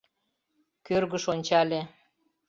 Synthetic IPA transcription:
kørɣə̆ʃonʲt͡ɕɑlʲe

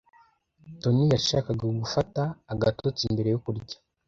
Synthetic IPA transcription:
to̞nijaʃaːkaɡaɡufataːɡato̞t͡simbe̞ɾe̞jokuɾɟḁ

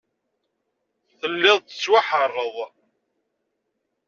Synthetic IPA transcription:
θəlːɪðˤə̥t͡sːwaħərˤːəðˤ

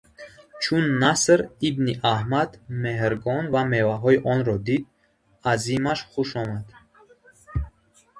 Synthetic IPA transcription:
t͡ʃʰunːasɾibniʔahmad̪mehɾɡɔnvame̞vaɦɔiʔɔnɾɔd̪id̪̚ | azimaʃχuʃɔmad̪̥

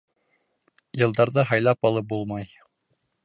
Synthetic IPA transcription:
jɤ̆lˠd̪ɑɾðɤɦɑjlˠɑpɑlˠɤp̚bulˠmɑj

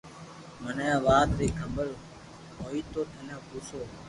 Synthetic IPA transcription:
məneãːʋaːt̪ɾiːkʰəmbəɭ | ɦoːiːt̪oːt̪ʰənãːɡʱuːsoː

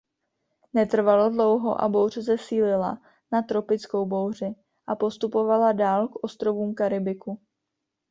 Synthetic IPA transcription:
nɛt̪r̩valodlo̞wɦo̞̰ʔa̰bo̞wr̝ɛzɛsiːlɪla̰ | nat̪ɾo̞pɪt͡sko̞wbo̞wr̝ɪ | ʔapo̞st̪upo̞valadaːlkʔo̞st̪ɾo̞vuːmkaɾɪbɪku

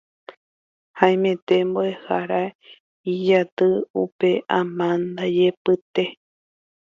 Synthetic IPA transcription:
hãj̃mẽ̞t̪e̞mboehaɾa | id͡ʒat̪ɨupe̞ʔãmãnd̪ad͡ʒepɨt̪e̞

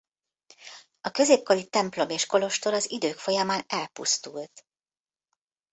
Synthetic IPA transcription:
ɒkø̞zeːp̚ko̞lit̪ɛmplo̞meːʃko̞lo̞ʃt̪o̞ɾɒzid̪øːkfo̞jɒmaːnɛlpṵst̪ult̪

